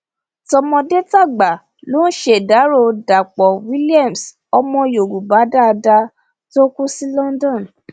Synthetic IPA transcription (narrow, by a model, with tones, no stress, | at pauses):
tɔ˧mɔ̃˧de˦ta˦˨ɡ͡ba˨ | lo˦n̩˦ʃe˦˨da˨˦ɾo˧˨da˨k͡pɔ˨wi˦li˦a˦˨ms | ɔ˧mɔ̃˧jo˨ɡu˨ba˨˦da˦˧da˧ | to˦ku˦si˦lɔ˦n˦dɔ̃˦˨n˨